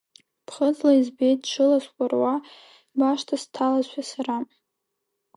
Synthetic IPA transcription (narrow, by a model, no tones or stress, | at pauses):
pʰχəd͡zlaizbejt̚ʼʈ͡ʂʰɨlasʷkʷʼarwa | baʃtʰastʰalazʷᶣasara